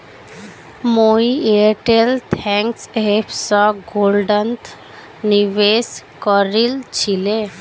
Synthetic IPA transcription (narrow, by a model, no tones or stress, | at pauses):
moieʈelt̪ʰɛ̃ŋksɦepʰsɔɡolɖənt̪ | niʋeskɔɾilt͡ɕʰile